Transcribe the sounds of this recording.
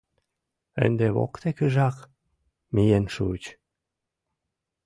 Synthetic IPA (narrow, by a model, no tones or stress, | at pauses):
ə̰nʲd̪eβo̰kt̪ekəʒɑk | mijenʃut͡ɕ